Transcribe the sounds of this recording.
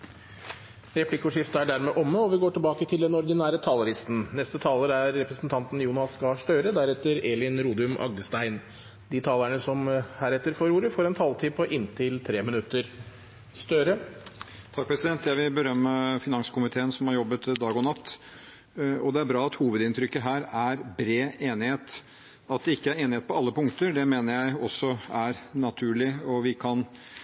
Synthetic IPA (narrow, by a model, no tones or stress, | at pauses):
ɾɛplɪkːʊʂɪft̪əæɖæɾmɛʔɔmːəɔʋɪɡoːʈɪlbɑːkət̪ʰɪld̪ɛnɔɾd̪ɪnæːɾət̪ʰɑːlɑɾɪst̪n̩nɛst̪ət̪ʰɑːləɾæɾːɛpɾəsnt̪ʰɑnt̪n̩juːnɑskɑʂʈøːɾəd̪æɾɛt̪ːəɾeːlɪnɾuːd̪ʉmʔɑ̰ɡd̪əst̪æɪn | d̪ɪt̪ʰɑːlæɳəsɔmhæːɾɛt̪ːəɾfoɾuːɾəfɔːɾɛnt̪ʰɑːlt̪ʰiːpʰɔʔɪnt̪ʰɪlt̪ʰɾeːmɪnʉt̪ːəɾ | st̪œɾə | t̪ʰɑk̚ːpʰɾɛsɪd̪ɛnt̪jæɪʋɪlbəɾœmːəfɪnɑŋsə̥kʊmɪt̪ʰeːənsɔmhɑɾjɔbːət̪d̪ɑːɡɔnɑt̪ː | ɔd̪ɛæɾbɾɑːɑt̪huːʋəd̪ɪnt̪ʰɾʏkːəɦæːɾæɾbɾeːeːnɪheːt̪ | ɑt̪̚d̪ɛɪkːəæɾeːnɪheːt̪pɔɑlːəpʊŋkt̪əɾɖ̪ɛmeːnəɾjæɪɔsːɔæɾnɑt̪ʰʉːɭɪɔʋɪkʰɑn